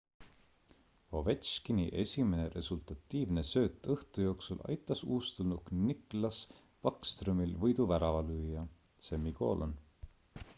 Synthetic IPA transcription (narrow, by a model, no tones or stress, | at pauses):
o̞vet̪skiniʔe̞sʲime̞ne̞ɾe̞sult̪ɑt̪ːiːvne̞sø̞ːt̪ˑːɤht̪ujo̞ːksulʔɑ̰jt̪ˑːɑsuːst̪ulnuknikˑlɑs | pɑkst̪rumilvɤjd̪uvæɾɑvɑlyːjɑ | semiko̞̰ːlʔo̰n